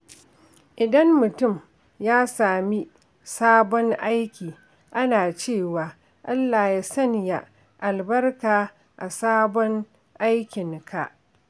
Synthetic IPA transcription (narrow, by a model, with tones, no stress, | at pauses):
ʔɪ˨dɐ˦mːʊ˨tʊ˦˨m | jaː˦saː˨mi˦ | saː˦bɔ˦ŋʔa˦jkʲiː˨ | ʔa˦naː˨t͡ʃeː˦˨waː˨ | ʔa˦lːaː˨jaː˦sɐ˦nja˨ | ʔa˨lbɐ˦rkaː˨ | ʔa˨saː˦bɔ˦ŋ | ʔa˦jkʲɪ˨ŋkʰa˨ʔ